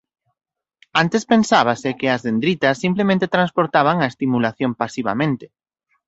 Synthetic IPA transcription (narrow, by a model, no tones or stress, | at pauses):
ant̪espensaβ̞asɪkɪɐzðend̪ɾit̪ɐsːimplemẽnt̪et̪ɾanspoɾt̪aβ̞aŋɐest̪imulaθjompasiβa̰mẽnt̪ɪ̥